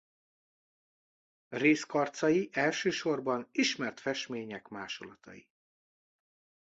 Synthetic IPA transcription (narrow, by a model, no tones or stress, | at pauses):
reːskɒrt̪sɒjiʔɛlʃøːʃo̞rbɒniʃmɛrt̪fɛʃmeːɲɛkmaːʃolɒt̪ɒ̰jḭ